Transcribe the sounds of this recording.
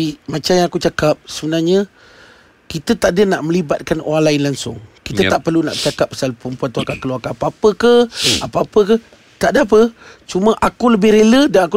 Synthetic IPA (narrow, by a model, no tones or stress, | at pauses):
mat͡ʃamjaŋakut͡ʃakap̚səbənarɲə | kit̪ət̪aʔdənaʔmə̃libat̪̚kano̰ɾaŋlaɪnlaŋsʊ̰ŋkit̪ət̪aʔpərluna̰ʔbət͡ʃakap̚ːasalpumpuat̪aakakəluakaapəapəkəhapəapəkəh | t̪aʔdəap̬ət͡ʃumə̃ʔakuləbɪhɾelədanaku